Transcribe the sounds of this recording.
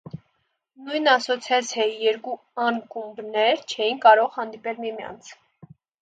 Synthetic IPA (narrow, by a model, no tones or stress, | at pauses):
nujnɑsɔt͡sʰjɑt͡sʰɑjɛɾku | ɑnkumbnɛɾt͡ʃʰɛjinkɑɾɔʁhɑnd̪ipɛlmimjɑ̰nt͡sʰ